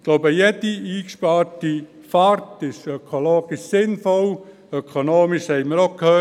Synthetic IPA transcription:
ɡ̥loʊbəjɛdiiːkʃpɑːɾti | fɑɾtɪʃœkʰoloːɡ̥ɪʃsɪnfɔl | œkʰonoːmɪʃhɛɪməɾɔkʰhøː

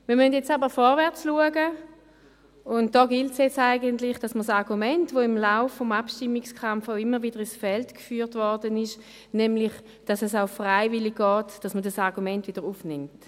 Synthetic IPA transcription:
miɐmøntjɛt͡sabəʁfɔʁvɛʁt͡sluəɡə | ʊnt̚d̥ɔːɡɪltsjɛt͡saɪɡəntlɪχd̥ɑsməsɑʁɡumɛntvoɪmlaʊfːɔmapʃtimːikskʰamfaʊɪmːəʁviːdəʁɪsfɛltkfyːʁtvɔʁdənɪʃ | nɛmlɪχ | d̥ɑsɛsaʊfʁaɪvɪliɡ̚ɡɔːtd̥asmədasɑʁɡumɛntv̥iːdəʁuːfnɪmt

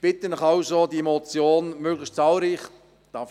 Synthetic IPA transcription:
b̥ɪt̪ənɪχɑʊzodiemot͡sjoːnmøːɡlɪʃtt͡sɑːlɾiːχ | d̥ɑf

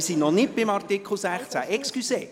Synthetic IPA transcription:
sinnɔnɪt̚b̥ɪmɑrt̪ikχl̩ˠsæχt͡sæʔɛkskyseː

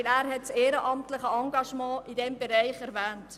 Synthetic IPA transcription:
læːɾɦɛtseːɾəʔɑmtləχəɑŋɡɑʃmɑ̃ːʔidɛmbɛɾæɪχɛɾvæːnt

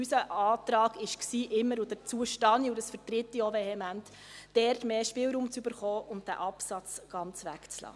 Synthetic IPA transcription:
ysəʔɑːtɾɑːɡɪʃksiːʔɪmːəɾudəɾt͡suəʃtɑniʊdəsfəɾtɾɪtːiovehɛmænt | d̥ɛrtmeːʃpɪːlɾuːmt͡sybəɾχɔːʔʊntd̥æ̰ʔɑpsɑt͡sɡ̥ɑnt͡sʋæ̰kt͡slɑ̰ː

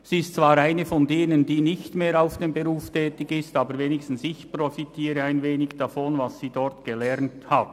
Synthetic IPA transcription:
siːɪstt͡sv̥aːɾaɪnəfɔndeːnəndiːnɪçtmeːɾaʊfd̥eːmbəʁuːftʰɛːtɪçɪstaːbəɾveːnɪkstn̩sɪçprɔfitʰiːɾəaɪnveːnɪçd̥afɔnvasːiːdɔɾtɡ̥əlɛɾnthat

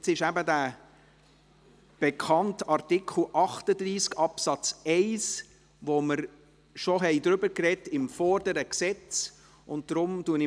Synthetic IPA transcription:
sɪʃæbəd̪æː | b̥ɛkχɑntɑɾtɪkχl̩ˠʔɑχtəd̪ɾiːskɑpsɑt͡sɛɪs | ʋɔməɾ | ʃɔɦɛɪd̪ɾʏbəɾkrɛtɪmfɔɾdəɾəksɛt͡s | ʊnt̚dɾʊmtuənɪ

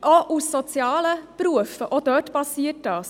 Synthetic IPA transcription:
ʔoʔusːɔt͡sjɑːləpɾuəfəʔod̥̪œːtb̥ɑsiːət̚dɑːs

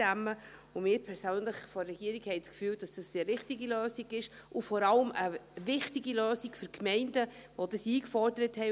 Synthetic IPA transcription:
æmːəʊmɪːɾpʰɛɾsøːnləχfɔrɛɡ̥iːəɾiɡhɛɪt͡skfyːld̥ɑsd̥ɑsiɾɪχtiɡiløːsiɡɪʃʊfɔɾɑləməvɪχtiɡiløːsiɡ̥fʏɾkʰmɛɪndəʋod̥əsiːkfɔrd̥əɾəthɛɪ

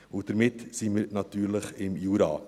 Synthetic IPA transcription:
ʊd̥əɾmɪtsiməɾnɑt̪yːɾləχɪmjuːɾɑ̰ː

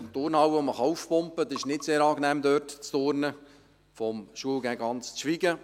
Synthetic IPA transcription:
mt̪ʊrnhɑwʋoməχɑufpʊmpəd̪ɛɪʃnɪtseːɾɑːɡnɛːmd̪œːrtt͡st̪ornə | fɔmʃuəlɡæɡɑnt͡st͡sʃʋiɡə

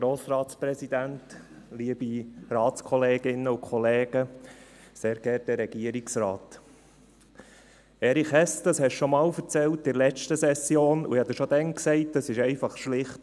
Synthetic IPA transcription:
ɡ̥ɾoːsɾɑːtspɾɛsid̥̪ænt | liəb̥irɑːt͡skʰɔleːɡɪnːəukχɔlɛːɡ̥ə | seːɾɡ̥ɛɾt̚dɛɾɛɡ̥iəɾiksrɑːt | ɛɾiχɛsd̥əshɛʃʃɔmɑːlfəɾt͡sɛltdɪlɛt͡ʃtəsɛsjoːnṵɪhɑd̪əʃɔd̥̪ɛŋksɛɪtəsɪʃɛɪfɑχʃlɪχt

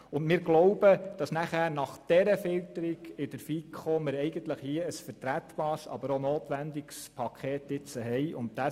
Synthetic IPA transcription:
ʊndmɪːɾɡlɔʊb̥əd̥ɑsnæχæːɾnɑχd̥ɛɾəfɪltəɾiɡɪd̥əɾfikʰχomɪɾɛɪɡəntləχhiəəsfəɾtɾæt̪bɑːsɑ̰bəɾonoːt̪ʋændɪkspʰɑkʰχeːtɪt͡səɦɛjʔʊntd̥æ

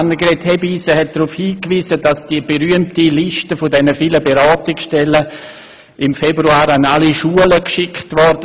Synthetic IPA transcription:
nːəɡɾɛthɛbiːsəɦɛt̚d̥ɾufhiːkʋiːzədasd̥iəb̥eɾyəmtiliʃtəfʊdɛnəfiːləbeɾɑːtɪksʃtɛlə | ʔɪmfɛbɾuaːɾanaliʃuələkʃɪkʰtʋɔɾd

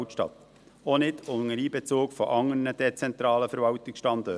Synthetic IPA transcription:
tʃtɑ̰t̪ | ɔnɪdʊŋəɾiːbɛt͡soːkfɔ̰ʔɑŋːəɾnəd̥ɛt͡sɛnt̪ɾɑːləfəɾvɑwtɪksʃtɑnd̪ɔ

